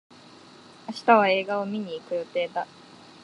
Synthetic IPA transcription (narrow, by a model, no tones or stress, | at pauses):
aɕi̥t̪aβae̞ːɡao̞mʲiɲ̟iːkɯ̟jo̞t̪e̞ːd̪a